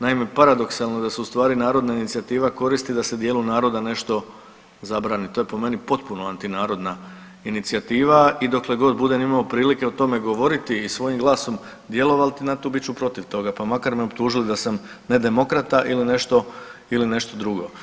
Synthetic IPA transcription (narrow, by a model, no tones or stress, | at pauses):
naime̞paɾad̪o̞ksalˠnod̪aseust̪ʋaːɾinaːɾo̞d̪nainit̪siat̪iːʋako̞ɾist̪id̪ase̞d̪jeːlˠunaːɾo̞d̪ane̞ʃt̪o̞ | zabɾaːnit̪o̞je̞po̞me̞nipo̞t̪punoant̪inaːɾo̞d̪na | init̪siat̪iːʋaid̪o̞kle̞ɡo̞d̪bud̪e̞nimaopɾiːlike̞ot̪o̞me̞ɡo̞ʋo̞ɾit̪iːsʋo̞jimɡlˠaːso̞m | d̪je̞lo̞ʋalt̪inat̪ubit͡ɕupɾo̞t̪iʋt̪o̞ɡapamakaɾmeopt̪uːʒilid̪asam | ne̞d̪e̞mo̞kɾat̪aʔiline̞ʃt̪o̞iline̞ʃt̪o̞d̪ɾuɡo̞̰